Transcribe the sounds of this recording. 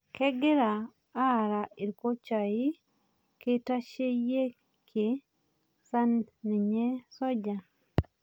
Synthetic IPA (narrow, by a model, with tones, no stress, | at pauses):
kɛ˦ɡɪ˦ɾaː˨˦˨ | ɾa˨i˨ɾko˦t͡ʃa˨i˦ | ke˦ta˦ʃe˦je˦ | kʰe˨ | sa˦nni˨ɲe˦sɔ˦d͡ʒa˨